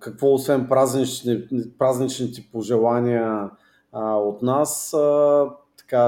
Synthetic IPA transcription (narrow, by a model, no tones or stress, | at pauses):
kɐkvɔosvɛnpɾaznit͡ʃnɛpɾaznit͡ʃnit̪ɛpoʒɛlˠanʲiə | ot̪nasət̪ɐ̥ka